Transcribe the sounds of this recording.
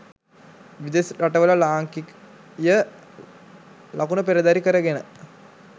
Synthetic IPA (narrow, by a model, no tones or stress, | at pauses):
ʋid̪esɾaʈəʋələlaːŋkik | jə | lakunəpeɾəd̪aɾikəɾəɡenə